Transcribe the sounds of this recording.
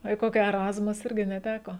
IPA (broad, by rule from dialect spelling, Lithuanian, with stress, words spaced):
oː iː ˈkoːkʲɪ ɛˈrɑːzmʊs ˈɪrʲɡʲɪ nʲɛˈtʲæːkoː